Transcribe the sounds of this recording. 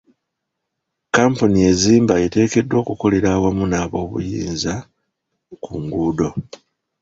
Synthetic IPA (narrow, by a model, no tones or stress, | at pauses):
kaːmpunije̞ziːmbae̞te̞ːke̞dːwo̞ːkuko̞le̞ɾaːwamunaːβo̞ːβṵjḭːnza | kuŋɡuːdo̞